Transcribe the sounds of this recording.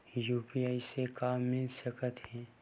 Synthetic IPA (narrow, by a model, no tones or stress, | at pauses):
juːpiaːisekaːmːẽʃəkət̪ɦhɛ̃ː